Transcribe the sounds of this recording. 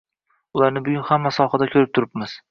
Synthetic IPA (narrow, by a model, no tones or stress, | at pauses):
ʊlˠaɾnɪbʊɡʲʊnhamːasɒhad̪akʲʰɵɾɪp̚t̪ʰʊɾɪp̚mɪz̥